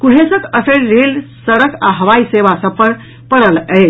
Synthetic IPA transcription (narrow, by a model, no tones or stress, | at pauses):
kuɽ̤esəkəsəɾɾelsəɽəkaɦəʋaisebasəb̚pəɾ | pəɽələ